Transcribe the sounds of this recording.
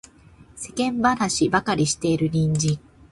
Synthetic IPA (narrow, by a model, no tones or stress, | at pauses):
se̞kẽ̞mbanaɕibakaɾʲiɕi̥t̪e̞iɾɯ̟ɲʲĩɲ̟d͡ʑĩ